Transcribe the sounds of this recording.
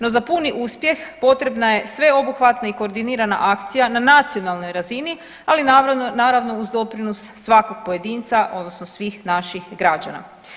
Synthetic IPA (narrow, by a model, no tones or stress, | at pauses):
no̞zapuniʔuspje̞xpo̞t̪ɾe̞bnaje̞sʋe̞o̞buxʋat̪naiko̞ːɾd̪iniːɾana̰ʔakt̪sijananat̪sijo̞nalˠno̞jɾazini | alinanaːɾaʋno̞uzd̪o̞pɾinosːʋako̞ɡ̥̚poje̞d̪iːnt̪saʔo̞d̪no̞snosʋiːxnaʃixɡɾad͡ʑa̰na̰